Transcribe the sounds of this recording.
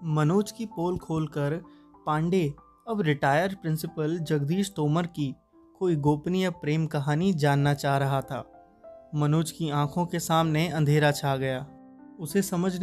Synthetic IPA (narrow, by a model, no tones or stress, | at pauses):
mɐnoːt͡ʃkipoːlkʰoːlkəɾ | pãːɳɖe | ɐbɾɪʈaːjəɾpɾɪ̃nsɪpəld͡ʒɐɡd̪iːʃt̪oːməɾki | koːiɡoːpnijapɾeːmkɐɦaːnid͡ʒaːnːat͡ʃaːɦɾɐɦat̪ʰa̰ː | mɐnoːt͡ʃkiãːkʰõkesaːmneɐ̃nd̪ʱeːɾat͡ʃʰaːɡɐjaː | ʊsesɐməd͡ʒʱ